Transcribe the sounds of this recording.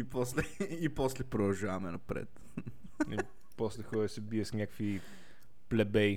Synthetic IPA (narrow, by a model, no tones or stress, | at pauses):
ipɔslɛipɔslɛpɾod̪ɐlˠʒavɐmɛnɐpɾɛ̰t̪ | i | pɔslɛxɔɾɛsɛbiɛsnɲʲakə̥kvi | plɛbɛj